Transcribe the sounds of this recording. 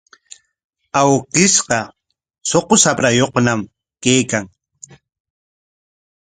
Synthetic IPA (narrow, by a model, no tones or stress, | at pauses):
awqɪsqɑ | soqosapɾajoχnam | kejkaŋ